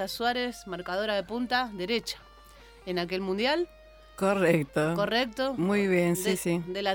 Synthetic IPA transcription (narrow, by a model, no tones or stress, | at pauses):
aswaɾesmaɾkað̞o̞ɾaðepunt̪aðeɾet͡ʃḁ | enake̞lmũnd̪jal | korekt̪okorek̚t̪omujβjensisid̪ela